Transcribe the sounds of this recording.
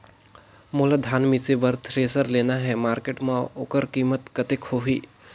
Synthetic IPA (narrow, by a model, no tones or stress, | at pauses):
molad̪ʱaːnmisebəɾt̪ʰɾeːsəɾleːnaɦɛmaːɾkeʈmãoːkəɾkimət̪kət̪ekhoɦiː